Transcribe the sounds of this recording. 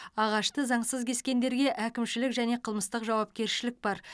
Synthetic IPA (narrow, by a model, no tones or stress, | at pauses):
ɑʁɑʃt̪əzɑɴsəzkʲʰe̞skʲe̞nd̪e̞ɾɡʲe̞ʔækʲɪmʃɪlɪkʒæne̞qʰəlˠməst̪əqʒɑwɑp̚kʲe̞ɾʃɪlɪk̚bɑɾ